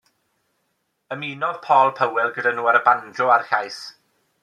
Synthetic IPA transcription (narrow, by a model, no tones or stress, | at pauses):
əmiːnɔð̥pʰɔːlˠpʰəwɛlˠɡədanuːaɾəbandrʊarɬajs